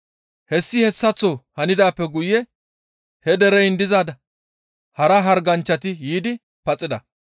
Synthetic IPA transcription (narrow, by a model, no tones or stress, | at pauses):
hɛsːɪhɛsːɐt͡sːɔhɐnɪd̪aːpːɛɡʊjːɛ | hɛd̪ɛɾɛjɪnd̪ɪzaːd̪ɐ | hɐɾɐɦɐɾɡɐnt͡ʃːɐt̪ɪjiːd̪ɪ | pɐt͡sʼːɪd̪ɐ